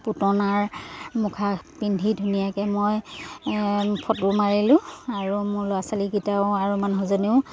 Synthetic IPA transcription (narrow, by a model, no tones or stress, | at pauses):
putɔnaɹmukʰapindʱidʱunijakɛmoj | pʰɔtʊmaɹilʊ̃aɹumʊɹlʊasalikitaʊaɹumanɦɔzɔneʊ